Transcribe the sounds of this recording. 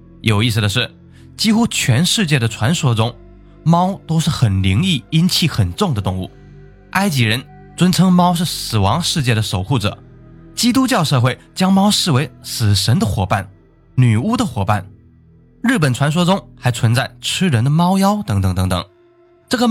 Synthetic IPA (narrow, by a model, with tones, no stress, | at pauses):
jo˨˩ʊi˥˩s̩˩d̪ə˩ʂ̬ɻ̩˥˩ | t͡ɕi˥xu˥t͡ɕʰɥɛ˧˥nʂɻ̩˥˧t͡ɕjɛ˥˩d̪ə˩ʈ͡ʂʰwa˧˥nʂwɔ˥ʈ͡ʂʊ˥ŋ | mɑ˥ʊt̪o˥ʊʂɻ̩˥˩xə˨˩nli˧˥ŋi˥˩i˥nt͡ɕʰi˥˩xə˨˩nʈ͡ʂʊ˥˩ŋd̪ə˩t̪ʊ˥˧ŋṵ˥˩ | a˥ɪt͡ɕi˧˥ɻə˧˥n | t͡swə˥nt͡sʰɤ˥ŋmɑ˥ʊʂɻ̩˥˩sɹ̩˨˩wɑ˧˥ŋʂɻ̩˥˧t͡ɕjɛ˥˩ɾə˩ʂo˨˩ʊxu˥˩ʈ͡ʂɤ̰˨˩˦ | t͡ɕi˥t̪u˥t͡ɕjɑ˥˧ʊʂɤ˥˧xwe˥˩ɪt͡ɕjɑ˥ŋmɑ˥ʊʂɻ̩˥˩we˧˥ɪsɹ̩˨˩ʂə˧˥nd̪ə˧xwɔ˨˩pa̰˥˩n | ny˨˩u˥d̪ə˨xwɔ˨˩pa̰˥˩n | ɻɻ̩˥˩pə˨˩nʈ͡ʂʰwa˧˥nʂ̬wɔ˥t͡sʊ˥ŋxa˧˥ɪt͡sʰwə˧˥nt͡sa˥˩ɪʈ͡ʂʰɻ̩˥ɻə˧˥nd̪ə˧mɑ˥ʊjɑ˥ʊt̪ɤ˧˥ŋt̪ɤ˧˥ŋt̪ɤ˧˥ŋt̪ɤ̰˨˩ŋ | ʈ͡ʂɤ˥˩ɡə˩